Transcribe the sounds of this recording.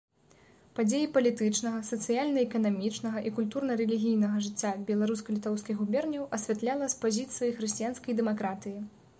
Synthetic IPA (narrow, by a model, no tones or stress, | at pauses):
pad͡zʲejipɐlʲit̪ɨt͡ʂnɐɣɐsɐt̪sɨjalʲnɐɛkɐnamʲit͡ʂnɐɣɐʔikulʲt̪urnɐɾɛlʲiɣʲijnɐɣɐʐɨt͡sʲːabʲɛlˠaɾuskɐlʲit̪ɔwskʲiɣɣubʲɛrnʲɐwɐsʲvʲat̪lʲalˠɐspazʲit̪sɨjɐjxɾɨsʲt͡sʲijanskɐjd̪ɛmakɾat̪ɨji